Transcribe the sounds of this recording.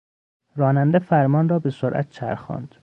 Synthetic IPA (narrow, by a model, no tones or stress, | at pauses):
ɾɒːnænd̪efæɾmɒːnrɒːbesoɾʔæ̰t̪̚t͡ʃʰæ̰ɾxɒ̰ːnd̪̥